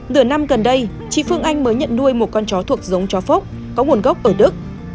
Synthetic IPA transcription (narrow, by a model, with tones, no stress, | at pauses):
lɨ˧˩əna˧mɣə˨˩nɗə˧j | t͡ɕḭ˧˨fɨ˧əŋʔa˧jŋ̟məː˨˦jɲə̰˧˨nnu˧əjmo˨˩t̚kɔ˧nt͡ɕɔ˨˦t̪ʰu˨˩ək̚zə˨˦wŋ͡mt͡ɕɔ˨˦fo˦˥k͡p̚ | kɔ˨˦ŋu˨˩ənɣə˦˥wk͡p̚ʔəː˧˩ɗɨ˦˥k̚